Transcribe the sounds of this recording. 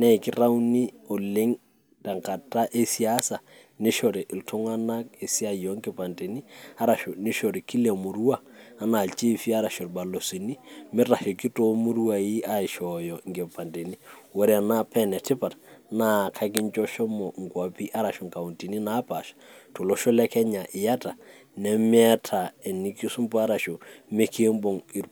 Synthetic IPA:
nɛ˦˨ɪ˨kɪ˦ɾa˦u˦ni˦o˨le˦ŋ | ta˨ŋka˨ta˦ʔe˦si˦a˦sa˨ | nɪ˦ʃɔ˨ɾɪ˨ʔltʰɔ˦ŋwa˦na˦e˨si˦a˦jɔ˦ŋɡɛ˦pa˨nde˨ni˦a˦ɾa˨ʃɔ˨nɪ˦ʃɔ˨ɾi˨ki˦le˨mʊ˨ɾu˦aː˦ | na˨lt͡ʃe˦fi˦a˦ɾa˨ʃɔ˨ɾba˨lo˨si˨ni˦mɪ˦ɾa˨ʃɔ˨kɪ˦to˦mʊ˦ɾu˦a˨i˦a˦ɪ˨ʃɔ˨jɔ˨ŋɡe˨pa˨nte˨ni˦wɔ˦ɾa˨na˦pʰɛ˦nɛ˨tɪ˦pa˨tna˦˨kʰa˦kɪ˦ɲt͡ʃɔ˦ʃɔ˦mɔ˨ŋ˨kwa˨pi˦ʔa˦ɾa˨ʃɔ˨ŋka˨u˨nti˨ni˦na˦pa˨ʃḁtɔ˨lɔ˦ʃɔ˦lɛ˦kɛ˦ɲa˨ʔɪ˨ja˦ta˨ | nɛ˨mɪ˦ɛ˦tʰa˨ɛ˨ni˦ki˦su˦mpɔ˦a˦ɾa˨ʃo˨mɪ˦kʰe˦mbɔ˨ŋi˨ɾ

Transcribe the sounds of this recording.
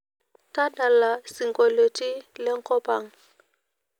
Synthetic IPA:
ta˦ɗa˨la˨si˨ŋɡo˨le˨ti˦le˦ŋko˦pa˨ŋ

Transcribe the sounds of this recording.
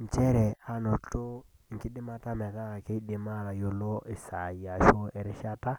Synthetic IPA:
ɲ˨t͡ʃɛ˦ɾɛ˨a˨no˨to˦˨ | ŋ˨ki˦ɗɪ˦ma˦ta˦mɛ˨ða˦˨ke˦ɗɪ˨ma˦ɾa˨jo˨lo˦i˨sa˨ja˨ʃo˦ɛ˨ɾɛ˦ʃa˦ta˦

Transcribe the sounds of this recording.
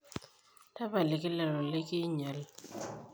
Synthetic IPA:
ta˦pa˨lɪ˨kɪ˦lɛ˨ɾɔ˨lɪ˦kɪ˦ɲa˨l

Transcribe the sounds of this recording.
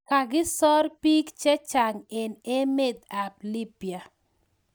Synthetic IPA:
ka˨ɡɪ˦sɔ˦rpi˦kt͡ʃɛ˦t͡ʃa˨ŋe˨ne˦me˦d̪̚a˨pli˦pja˨

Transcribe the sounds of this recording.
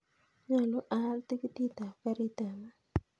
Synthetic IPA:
ɲa˦˨lo˦ʔa˨˦lt̪i˦ki˦t̪i˦t̪a˨fa˦ɾi˦t̪a˨ma˦

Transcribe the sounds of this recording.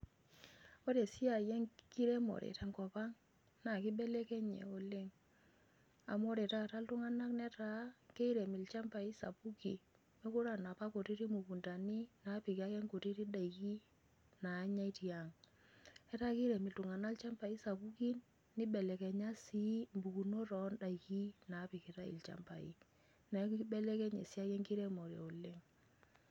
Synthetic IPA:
o˦ɾe˨si˦a˨jɛ˦ŋki˦ɾe˦mo̰˨ɾḛ˨ta˨ŋkɔ˨pa˦ŋ | na˨ki˦bɛ˦lɛ˦kɛ˦ɲɛ̰˨o˨le˦ŋ | a̰˨mo˦ɾe˨ta˦˨ta˦ltʊ˦ŋa˦na˦knɛ˦ta˦ke˦i˦ɾe˨mi˨lt͡ʃɛ˦mpa˨i˦sa̰˨pu˦ki˨ | me˦ku˦ɾa˦˨na˨pa˦ko˨ti˦ɾi˦mu˨pu˨nta˨ni˦na˨˦pi˨ka˦kɛ˦ŋko˨ti˦ɾi˦da˨i˨ki˦ | na˨˦ɲa˦i˦ti˨a˨ŋ | ɛ˦ta˦ki˦ɾɛ˨mi˨ltʊ˨ŋa˨na˦lt͡ʃa˦mpa˨i˦sa˨pu˦ki˦nː | i˦ɓɛ˨lɛ˨kɛ˨ɲa˦si˦mbu˨ku˨no˦ɾɔ˨nda˨i˨ki˦na˨˦pi˨ki˨ɾa˦ḭ˨lt͡ʃa̰˨˦mpa˨ḭ˦ | nɛ˨˦kibɛ˦lɛ˦kɛ˦ɲɛ̰˨sja˦kɛ˦ŋki˦ɾɛ˦mɔ˨ɾɛ̰˨o˨le˦ŋ

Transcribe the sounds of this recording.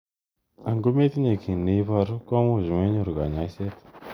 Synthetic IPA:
a˨ŋɡo˦me˦t̪i˦ɲe˨kʰi˨ni˨˦va˧ɾu˦ka˦mu˦˨ʒi˨me˦ɲu˦˨ɾu˨ɡa̰˨ɲa˨˦i˦se˦t̪

